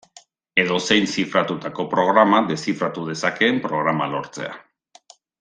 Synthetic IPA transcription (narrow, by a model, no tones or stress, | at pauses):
e̞ðo̞se̞jnsifɾat̪ut̪ako̞pɾo̞ɣ̞ɾamaðe̞sifɾat̪uð̞e̞sake̞ːmpɾo̞ɣ̞ɾamalo̞ɾt͡se̞̰a̰